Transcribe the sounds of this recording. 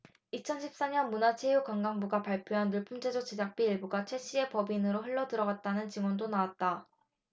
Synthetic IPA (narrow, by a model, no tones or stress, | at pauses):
it͡ɕʰʌnɕʰip̚s͈aɲʌnmunat͡ɕʰe̞jukwaŋɡaŋbuɡapaɭpʰjoɦanːuɭpʰund͡ʑʰed͡ʑot͡ɕed͡ʑak̚p͈iiɭbuɡat͡ɕʰwe̞ɕ͈ʰie̞pʌbinɯɾoɸɯɭːʌdɯɾʌɡat̚t͈anɯnt͡ɕiŋwʌndonawat̚t͈a